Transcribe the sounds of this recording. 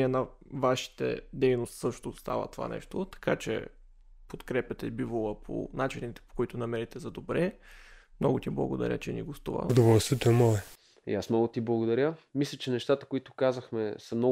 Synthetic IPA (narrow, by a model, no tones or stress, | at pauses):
ɛnɐ | vaʃi̥t̪ə̰d̪ɛjnost̪sɤʃt̪ost̪a̰və̰t̪ova̰nɛ̰ʃt̪ot̪ɐ̥kat͡ʃɛ̰ | pot̪kɾɛpʲɐt̪ɛbivolˠəpʰo̰nat͡ʃinit̪ɛ̥po̥koit̪ʊnɐmɛɾit̪ɛzɐd̪obɾɛmnɔɡʊt̪ʲiblˠɐ̰ɡod̪ɐ̰ɾʲə̰t͡ʃɛnḭɡost̪ṵvə̰d̪ovɔlˠst̪vʲet̪oɛmɔɛ | ḭasmnɔɡʊt̪iblˠɐɡod̪ɐɾʲjəmislʲət͡ʃɛnɛʃt̪at̪ə̥koit̪ʊkazəxmɛsɐmnɔ